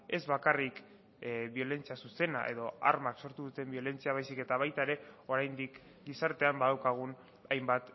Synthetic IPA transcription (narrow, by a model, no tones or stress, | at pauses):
e̞zβakarik | βio̞le̞nt͡siasuse̞na̰ʔe̞̰ð̞o̞aɾmakso̞ɾt̪uðut̪e̞mbio̞le̞nt͡siaβ̞ajsike̞t̪aβ̞ajt̪aeɾe̞o̞ɾajnd̪ik | ɡisaɾt̪e̞ambaðawkaɣ̞un | ajmbat̪